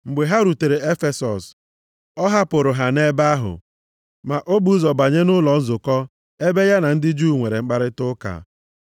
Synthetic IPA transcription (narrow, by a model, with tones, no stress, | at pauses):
ŋ͡m̩˨ɡ͡be˨ɦa˦ɾu˨te˨ɾe˨e˦fe˦sɔ˨s | ɔ˦ɦa˦pʊ˨ɾʊ˨ɦa˨ne˦ba˦ɦʊ̰˨ | ma˨ʔo˦bu˨˦zɔ˨ba˨ɲe˦nʊ˦lɔ˨n̩˦zʊ˨kɔ˦ | e˦be˦ja˦na˨n̩˦dɪ˦d͡ʒu˦˨ŋʷe˨ɾe˨ŋ͡m̩˦k͡pa˦ɾɪ˦tʊ˦ka̰˨